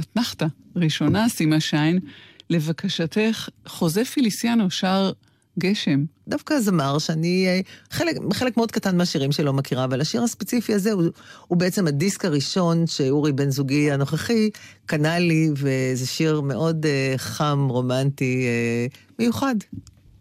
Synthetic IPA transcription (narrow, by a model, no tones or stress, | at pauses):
atnaχt̪aʁiʃo̞nasimaʃajnle̞vakaʃat̪eχχo̞zefilisjanoʃaʁ | ɡeʃe̞mdafkazamaʁʃeaniχelekχe̞lekmeo̞d̪katanmeaʃiʁimʃelo̞makiʁaːvalaʃiʁhaspet͡sifiazeuhubeet͡se̞madiskaʁiʃo̞nʃeuʁibe̞nzuɡiano̞χaχikanalivezeʃiʁme̞ʔo̞deχamʁo̞mantie | me̞juχad